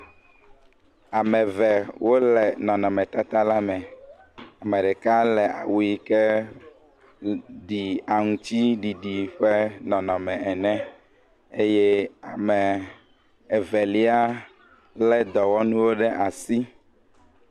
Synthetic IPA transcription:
a˨mɛ̃˨vɛ˨wo˦lɛ˨nɔ̃˨nɔ̃˨mɛ̃˨t̪a˦t̪a˦la˦mɛ̃˨ | a˨mɛ˨ɖɛ˨ka˦lɛ˨ʔa̰˨wu˨i˦kɛ˦ | ɖi˨a˨ŋũ˦t͡ɕi˦ɖi˨ɖi˨ɸɛ˦nɔ̃˨nɔ̃˨mɛ̃˨ɛ˨nɛ̃˦ | e˦jɛ˦a˨mɛ˨ | ɛ˨vɛ˨li˦a˦ | lɛ˦d̪ɔ˨wɔ˦nũ˦wo˦ɖɛ˦ʔa˨si˦

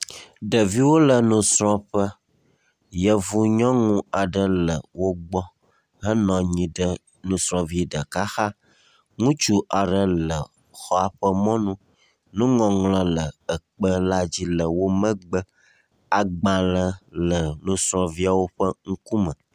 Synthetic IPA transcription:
ɖə˨vi˦wo˦lə˨nũ˨sɾɔ̃˦ɸə˦ | jə˨vu˦ɲɔ̃˦ŋũ˦a˨ɖə˦lə˨wo˦ɡ͡bɔ˦ | ɦə˦nɔ̃˨ɲĩ˨ɖə˦ | nũ˨sɾɔ̃˨vi˦ɖə˨ka˦xa˦ | ŋũ˦t͡ʃu˦ʔa˨ɖə˨lə˨ | xɔ˦a˨ɸə˦mɔ̃˦nũ˦ | nũ˦ŋɔ̃˨ŋlɔ̃˦lə˨ə˨k͡pə˦la˦d͡ʑi˦lə˨wo˦mə̃˦ɡ͡bə˦ | a˨ɡ͡bã˨lə˨lə˨nũ˦sɾɔ̃˨vi˦a˨wo˦ɸə˦ŋ̩˦ku˦mə̃˨

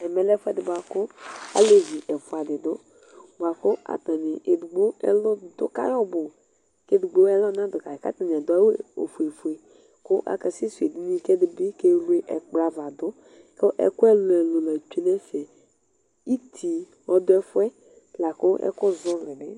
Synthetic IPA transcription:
ɛ˨mɛ˨lɛ˦fɛ˦dɪ˨ba˨kʊ˦a̰˦le˨vi˨ʔɛ˨fʊ˨a˨dɪ˨dʊ˦ | ɡ͡ba˨kʊ˦a̰˨t̪a˨nɪ˨e˨dʊ˨ɡ͡bo˦ɛ̰˦lɔ˦˨d̪ʊ̰˦ka̰˦jɔ˦bʊ˨ | ke˦dʊ˨ɡ͡bo˦ɛ˦lɔ˦nã˦d̪ʊ˨ka˨ka̰˦t̪a˨n˨ɛ˨d̪ʊ˦a˦we˦o̰˨fu˨e˨fu˨e˨ | kʊ˦ʔa̰˨kɛ˨sɪ˦su˨e˨di˦nĩ˦kɛ˦dɪ˦bɪ˦ke˦lu˦e˦ʔɛ̰˨k͡pɾa˨va˨d̪ʊ˦ | ke˦ʔɛ̰˦kʊ˦ɛ˦lɛ˨lʊ˨lɛ˨t͡ʃi˦nɛ˦sɛ˨ | i˦tʰi˨ | wɔ˦d̪ʊ˦ɛ˦fʊ˦ɛ˦ | la˨kʊ˦ʔɛ̰˦kʊ˦zʊ˦lɪ˨nɪ˦

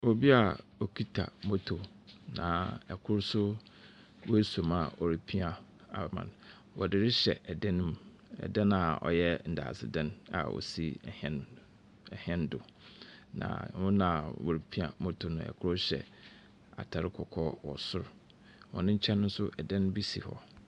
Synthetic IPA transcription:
o˨bi˦a˨o˨kʰi˦tʰa̰˨mo˦tʰo˨ | nã̰˨ɛ˨kʰʊ˦ɾsʊ˦ | wɔ˦e˦so˨ma˨ɔ˨ɾi˨pʰi˦a˨ | a̰˨mã̰˨n | wɔ˨dɪ˨ɾɪ˦ɕɛ˨ʔɛ˨dɛ̃˦nʊ̃˦m˦ | ɛ̰˨dɛ̃˦nã˨ɔ̰˨jɛ˦n̩˨da̰ː˨sɪ̰˨dɛ̃˦na̰˨wɔ̰˨si˦˨hɛ˦n | ɛ˨hɛ̃˦ndʊ˨nã̰˨wʊ̃˦nã˨wo˨ɾi˨pʰi˦a˨mo˦tʰo˨nʊ̃˨ɛ̰˨kʰʊ˦ɾʊ˦ɕɛ̰˨ | a̰˨tʰa˨ɾɪ˦kʰɔ˨kʰɔ˦wɔ˨sʊ˦ɾ | wɔ̰̃˨nɪ̃˦ɲ̩˦t͡ɕʰɛ̃˦nʊ̃˦n̩˦sʊ˦ʔɛ˨dɛ̃˦ñ˦bi˦sḭ˨hɔ̰˦

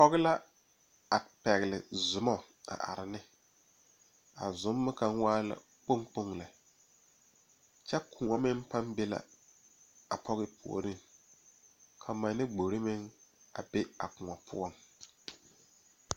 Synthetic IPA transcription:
pɔ˦ɣɪ˦la˦ | a˨pɛ˨ɣɪ˨lɪ˨zʊ˨mɔ˦ | a̰˨ʔa̰˨ɾɪ˨nɪ˦ | a̰˨zʊ˨˦mːʊ˦ka˦ŋ˦waː˦la̰˨ | k͡po˦ŋk͡po˦ŋla˨ | t͡ʃɛ˦kʰʊ˨ŋɔ˨mɪ˦mpa˦mbe˦la̰˨ | a˨pʰɔ˦ɣɪ˦pʰu˨o̰˨ɾɪ˦ŋ | kʰa˨ma˨nɪ˦ɡ͡bo˨ɾɪ˦mɪ˦ŋa̰˨be˦a̰˨kʊ˨ŋɔ˨pʰʊ̰˦ɔ˦m

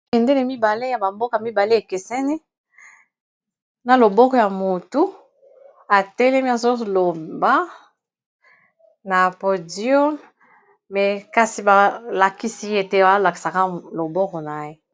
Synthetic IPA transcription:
kɛ˨nde˦le˨mi˦ba˨le˦ja˨ba˨mbo˦ka˨mi˦ba˨le˦e˨ke˨sɛ˦ni˦ | na˨lo˨bɔ˦kɔ˨ja˨mo˨tu˦ | a˨tɛ˦lɛ˦mi˦a˨zo˦lo˨ba˦ | na˨po˨djɔ˦m | mɛ˨ka˦si˨ba˨la˨ki˦si˦je˦te˦˨ba˦la˨ki˨sa˨ka˦lo˨bɔ˦kɔ˨na˨je˦

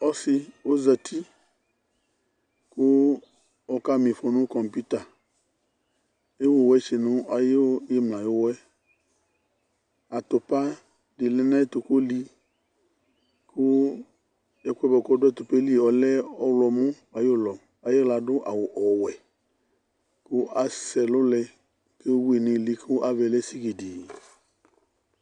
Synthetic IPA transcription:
ɔ˦si˨wo˦zɛ˨t̪ʰi˦ | ko˦ | wɔ˦ka˦mĩ˨ɸɔ˨nũ˦kɔ˨mpu˦t̪a˨ | e˦wo˦wɛ˦t͡ʃe˨nũ˦a˨je˦wo˦je˦mlã˨jo˦wɛ˦ | a˨t̪o˨pa˦ | ɖi˨le˦nã˦e˦t̪o˨ko˦li˦ | kʰʊ˦ | jɛ˦kʷɛ˦bɔ˨kɔ˦dʊ˦ɛ˦t̪ʊ˨pe˦li˦˨ɔ˨lɛ˦ɔ˦wlɔ˨mʊ̃˦ | a˨jo˦˨lɔ˨ | a˨je˦la˨dʊ˦ʔa˨wʊ˨ʔɔ˨wɛ˨ | kʊ˦a˨sɛ˨lʊ˦lɛ˧ | ke˦wo˦wu˦e˨nɪ̃˨li˦kʰʊ˦ʔa˦vɛ˨lɛ˦si˦ki˨di˨

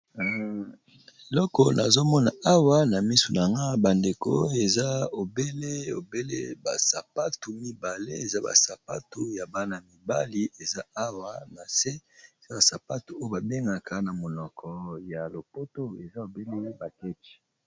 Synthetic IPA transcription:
e˨lɔ˦kɔ˨na˨zo˦mɔ˦na˨ʔa˦wa˦na˨mi˦su˨na˨ŋɡa˦ba˨nde˨ko̰˦e˨za˦o˨be˦le˦o̰˨be˦lḛ˦ba˨sa˨pa˦tu˨mi˦ba˨lḛ˦e˨za˦ba̰˨sa˨pa˦tu˨ja˨ba˦na˨mi˨ba˦li˦e˨za˦a˦wa˦na˨se˦e˨za˦ba˨sa˨pa˦tu˨o˦o˦ba˨be˦ŋɡa˨kʰa˨na˨mo˨nɔ˨kʰɔ˨ja˨lo˨po˦to˦e˨za˦o˨be˦le˦ba˨kɛ˦t͡ʃi̥˨

